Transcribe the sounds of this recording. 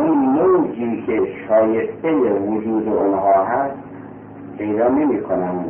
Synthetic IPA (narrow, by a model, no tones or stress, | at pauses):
nowziːkʰeʃɒːjest̪ejevod͡ʒuːd̪eonɦɒːɦæs | pʰe̞jd̪ɒːne̞miːkʰonæm